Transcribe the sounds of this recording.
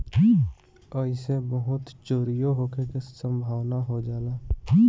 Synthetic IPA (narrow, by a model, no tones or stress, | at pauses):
əɪsebəɦʊt̪t͡ʃoːɾijoɦoːkekesə̃mbʱaːwnaɦod͡ʒaːlaː